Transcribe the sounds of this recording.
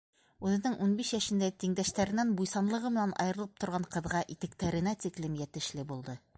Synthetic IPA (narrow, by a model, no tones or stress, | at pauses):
ʉðɘ̆nɘŋʔunbiʃjæʃɘ̆nd̪æt̪iŋd̪æʃt̪æɾɘ̆nænbujsɑnlˠɤ̆ʁɤmɘ̆nænʔɑ̰jɤ̆ɾɤ̆lˠɤp̚t̪ŏɾʁɑɴqɤ̆ðʁɑʔit̪ɘ̆kt̪æɾɘ̆næt̪iklɘmjæt̪ɘ̆ʃlɘbulˠd̪ɤ